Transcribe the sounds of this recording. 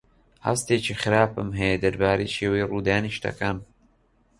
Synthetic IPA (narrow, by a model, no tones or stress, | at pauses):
hɐ̰st̪eːt͡ʃʰixɨɾaːpɨmɦɛjed̪ɐɾbaːɾeːʃeːwejruːd̪aːniʃt̪ɐ̰kaːn